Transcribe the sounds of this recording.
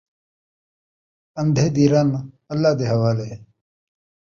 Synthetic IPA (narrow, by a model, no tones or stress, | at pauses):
ɐmd̪ʱed̪iːɾɐn | ɐlːaːd̪eɦɐwaːle